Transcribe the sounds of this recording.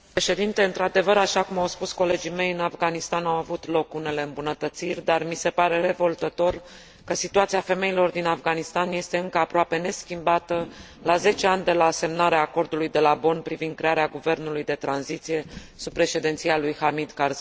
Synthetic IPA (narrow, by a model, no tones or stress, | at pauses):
pɾeʃe̞d̪int̪e̞ɨnt̪ɾad̪e̞vəɾaʃakumawspusko̞le̞d͡ʒijme̞jɨnafɡanist̪anawavut̪lo̞kune̞le̞ɨmbunət̪ət̪sirʲd̪armise̞paɾe̞re̞vo̞lt̪ət̪o̞r | kəsit̪uat̪siafe̞me̞ilo̞rd̪inafɡanist̪anje̞st̪e̞ɨŋkəapɾoape̞ne̞skʲimbat̪ə | laze̞t͡ʃe̞anʲd̪e̞lase̞mnaɾeaːko̞rd̪ulujd̪e̞labo̞npɾivind̪kɾe̞aɾeaɡuve̞rnulujd̪e̞t̪ɾanzit̪sije̞ | supːɾe̞ʃe̞d̪ent̪sijalujhamid̪karz